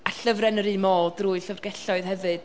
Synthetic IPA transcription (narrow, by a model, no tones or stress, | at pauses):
aɬəvrɛnəɾimɔːdruːɨɬəvrɡɛɬɔɨð̥hɛvɨd̥